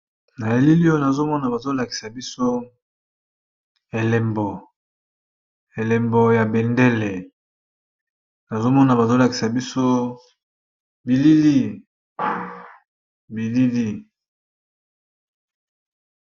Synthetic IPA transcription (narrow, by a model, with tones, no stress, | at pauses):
na˨e˨li˦li˦o˦na˨zo˦mɔ˦na˨ba˨zo˦la˨ki̥˨sa˨bi˦so˦ | e˨le˨mbɔ˨ | e˨le˨mbɔ˨ja˨be˨nde˦le˨ | na˨zo˦mɔ˦na˨ba˨zo˦la˨ki̥˨sa˨bi˦so˦ | bi˨li˦li˦˨ | bi˨li˦li˦